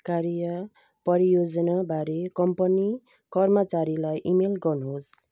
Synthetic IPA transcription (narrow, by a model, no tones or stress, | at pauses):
kaɾijʌ | pʌɾijod͡zʌnabʱaɾekʌmpʌni | kʌrmʌt͡saɾilajʔimelɡʌrnuɦos